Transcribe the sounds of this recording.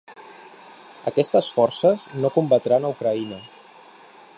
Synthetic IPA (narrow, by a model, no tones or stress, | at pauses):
ə̰kɛst̪əsfɔrsəznokumbət̪ɾanəukɾəinə